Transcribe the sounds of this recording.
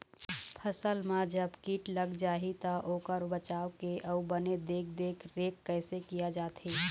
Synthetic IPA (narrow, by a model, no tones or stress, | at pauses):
pʰəsəlmãd͡ʒəbkiːʈləɡd͡ʒaːɦit̪aʔoːkəɾbət͡ʃaːwkeʔəʊbəned̪eːk̚ʰd̪eːkʰɾeːkːəɪsekijad͡ʒaːt̪ɦiː